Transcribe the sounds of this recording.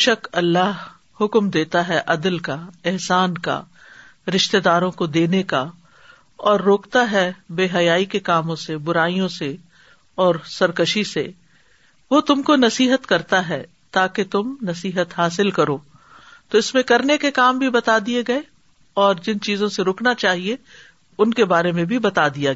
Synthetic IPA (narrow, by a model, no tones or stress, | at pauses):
ʃɐkɐlːaɦ | hʊkmd̪eːt̪aɦɛʔɐd̪əlkaɪɦsaːnka̰ | ɾɪʃt̪ed̪aːɾõkod̪eːneka | ɔːɾːoːkt̪aɦɛbeːɦɐjaːikekaːmõsebʊɾaːijõse | ɔːɾsɐɾkəʃisḛ | ʋot̪ʊmkonɐsiːɦət̪kɐɾt̪aɦɛː | t̪aːket̪ʊmnɐsiːɦət̪ɦaːsɪlkɐɾoː | t̪oɪsmẽkɐɾnekekaːmbʱibɐt̪ad̪ieɡɐe | ɔːɾd͡ʒɪnt͡ʃiːzõseɾʊːknat͡ʃaːɦie | ʊnkebaːɾemẽbʱibɐt̪ad̪ijaɡ